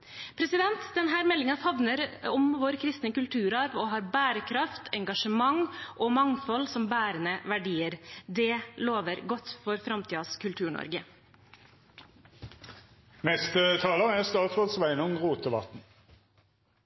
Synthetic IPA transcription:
pʰɾɛsɪd̪ɛnt̪d̪ɛnɦæːɾmɛlːɪŋɑfɑʋnəɾɔmʋoːɾkʰɾɪst̪nəkʉlt̪ʰʉːɾɑɾɔɦɑːɾbæːɾəkʰɾɑft̪ʰɛŋɡɑʂəmɑŋʔɔmɑŋfɔlsɔmbæːɾənəʋæɖiːəɾd̪ɛloːʋəɾɡɔt̪ːfɔɾfɾɑmt̪iːɑskʰʉlt̪ʰʉːɳɔ̰ɾɡə | mɛst̪ət̪ʰɑːləæst̪ɑːt̪fɔsʋæɪnʊŋʁuːt̪əʋɑ̰t̪n̩

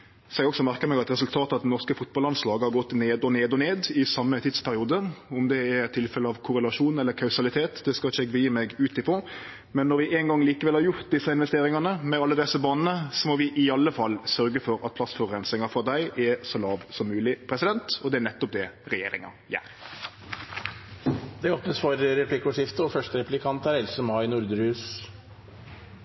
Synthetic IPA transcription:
sɔɛɡɔksɔmæɾkəmɛɡɑt̪ɾɛsʉlt̪ʰɑːt̪əɑt̪d̪nɔʁskəfʊt̪̚bɑlɑnslɑːɡəhɑɾɡɔt̪ːneːd̪ɔneːd̪ɔneːd̪ɪsɑmːət̪ʰid̪spʰæɾɪuːd̪əɔmd̪ɛæɾɛt̪ʰːɪlfɛləɑʋkʰʊɾəlɑʂuːnɛlːəɾkʰɑʉsɑlɪt̪ʰeːt̪d̪ɛskɑlɪt͡ʃːəɛɡbəjiːmɛɡʉːt̪ɪfɾɔ | mɛnːɔɾʋɪʔɛŋɡɑŋːliːkəʋɛlhɑɾjʊɾt̪̚d̪ɪsːɑɪnʋɛst̪eːɾɪŋɑnəmɛɑlːəd̪ɛsːəbɑːnənəsɔmɔʋɪʔɪɑlːəfɑlːsœɾɡəfɔɾɑt̪̚pʰlɑsfɔʁʁɛnsɪŋɑfɾɔd̪æɪʔɛsɔlɑːʋsɔmːʉːlɪpʰɾɛsɪd̪ɛnt̪ɔd̪ɛænɛt̪ːɔp̚d̪ɛɾɛjeːɾɪ̰ŋɑ̰ | jæ̰ːɾ | d̪ɛoːpnəsfɔɾɾɛpʰlɪkʊʂɪft̪əɔfœʂʈəɾɛplɪkʰɑnt̪æɾɛlsəmɑɪnʊɾd̪əɾʉːs

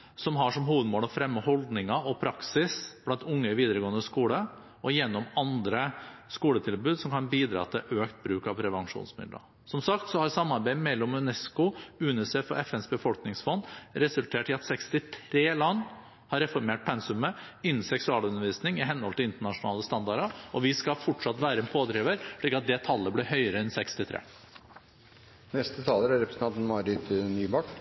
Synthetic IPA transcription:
sɔmɦɑʂɔmhuːʋəd̪moːlɔfɾɛmːəhɔld̪nɪŋɑɔpʰɾɑksɪsb̥lɑnt̪ʊŋːəʋiːd̪əɾəɡoːənd̪əskuːlə | ɔjɛnːɔmɑnd̪ɾəskuːlət̪ʰɪlbʉːd̪sɔmkʰɑnbiːd̪ɾɑ̰ːt̪ʰɪlʔøːkt̪̚bɾʉːkɑʋpʰɾɛʋɑŋʂṵːnsmɪ̰d̪lə̰ | sɔmsɑkt̪sɔhɑɾsɑmːɑɾbæɪmɛlːɔmʉnɛskʊʉnəseːfɔ̰ɾʔɛfɛnsbəfɔlknɪŋsfɔnːɾɛsʉlt̪ʰeːʈɪɑt̪sɛkst̪ɪt̪ʰɾeːlɑnː | hɑɾɛfɔɾmeːʈ̚pʰɛnsʉmə | ɪnːn̩sɛksʉɑːlʉnːəɾʋiːsnɪŋɪɦɛnːəhɔlt̪ɪlɪnt̪əɳɑʂʊnɑ̰ːləst̪ɑnd̪ɑɾəʔɔʋɪskɑfɔʈʂɑt̪ʋæːɾəɛnpʰoːd̪ɾiːʋəɾʂɭiːkɑt̪̚d̪ɛt̪ʰɑlːəblɪhœʏəɾəɛnsɛkst̪ɪt̪ʰɾḛː | nɛst̪ət̪ʰɑːləɾæɾɛpɾəsət̪ɑnt̪nmɑɾɪt̪nyːbɑʈ

